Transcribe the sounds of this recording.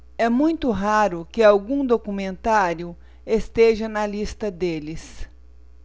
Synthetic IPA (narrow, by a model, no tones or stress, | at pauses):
ɛmũj̃t̪ʊɦaɾʊkɪawɡũd̪okumẽnt̪aɾjʊ | est̪eʒɐnɐlist̪ɐd̪elɪs